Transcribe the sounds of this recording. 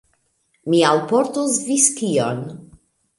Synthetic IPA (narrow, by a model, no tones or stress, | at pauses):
mialpoɾt̪usviskion